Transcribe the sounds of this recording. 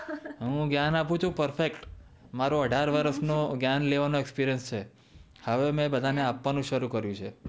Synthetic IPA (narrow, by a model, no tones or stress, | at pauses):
ɦũɡjanapũt͡ʃʰũpəɾfekʈ | maɾoəɖʱaɾʋəɾəsnoɡjanleʋanoɛkspiɾijənst͡ʃʰe | həʋemɛ̃bəd̪ʱaneapʋanũʃəɾukəɾjũt͡ʃʰe